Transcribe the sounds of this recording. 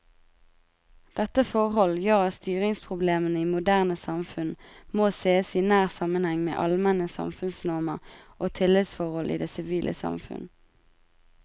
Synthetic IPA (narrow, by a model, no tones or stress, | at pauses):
d̪̥ɛt̪əfɔʁhɔljøːʁɑst̪yːʁɪŋspʰʁʊbleːmənəiːmʊd̪æːʁnəsɑmfʉnmoːseːəsiːnæːʁsɑmənhɛŋmḛːʔɑlmɛnəsɑ̰mfʉnsnɔʁməʁʔoːt̪ʰɪlɛd̪sfɔʁhɔlʔḭːd̪eːsɪʋiːlʔə̰sɑ̰mfʉ̰n